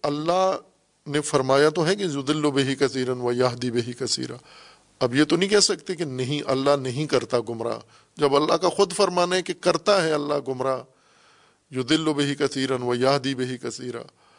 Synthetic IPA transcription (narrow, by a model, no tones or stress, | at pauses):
ɐlːaɦ | nefɐɾmaːjat̪oɦɛkejʊd̪ɪlːobɪɦikɐsiːɾɐnʋɐjaːɦd̪ibɪɦikɐsḭːɾa | ɐbjet̪onɐɦĩkɛɦsɐk̚t̪ekenɐɦĩʔɐlːaɦnɐɦĩkɐɾt̪aɡʊmɾa̰ | d͡ʒɐbɐlːaɦkaxʊd̪fɐɾmaːnaɦkekɐɾt̪aɦɛɐlːaɡʊmɾa | jʊd̪ɪlːobɪɦikɐsiːɾɐnʋɐjaːɦd̪ibɪɦikɐsiːɾã̰ː